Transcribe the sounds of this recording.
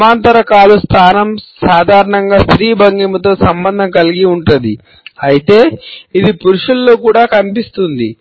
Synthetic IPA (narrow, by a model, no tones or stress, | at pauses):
maːnt̪ɐɾɐkaːlust̪ʰaːnɐmsaːd̪ʱaːɾɐɳɐŋɡaːst̪ɾiːbɐŋɡimɐt̪o̞ːsɐmbɐnd̪ʱɐŋkɐliɡiuɳʈund̪i | ɐjit̪e̞ːid̪ipuɾuʂulːoːkuːɽaːkɐnipist̪und̪i